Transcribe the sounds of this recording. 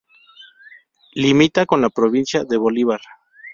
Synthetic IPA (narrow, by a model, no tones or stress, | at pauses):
limit̪ako̞nlapɾoβinsjaðe̞βo̞liβaɾ